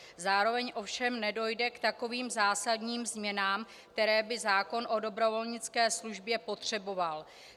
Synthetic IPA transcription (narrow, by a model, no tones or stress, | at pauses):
zaːɾo̞vɛɲʔo̞fʃɛmnɛdo̞jdɛkt̪ako̞viːmzaːsadɲiːmzmɲɛnaːm | k̚t̪ɛɾɛːbɪzaːko̞nʔo̞do̞bɾo̞vo̞lɲɪt͡skɛːsluʒbjɛpo̞t̪r̝̥ɛbo̞val